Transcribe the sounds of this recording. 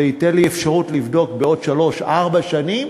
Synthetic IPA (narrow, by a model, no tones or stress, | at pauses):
eiteliefʃaʁutlivdo̞k̚beo̞dʃalo̞ʃaʁbaʃanim